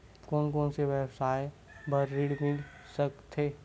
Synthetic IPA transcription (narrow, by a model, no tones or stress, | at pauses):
koːnkoːnseʋɛːbsaːje | bəɾːiɖmɪl | səkt̪ʰeː